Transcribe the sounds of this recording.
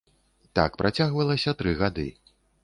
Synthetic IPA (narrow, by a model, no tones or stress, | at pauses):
t̪a̰kpɾʔat͡sʲaɣvɐlˠɐsʲɐt̪ɾɨɣad̪ɨ̰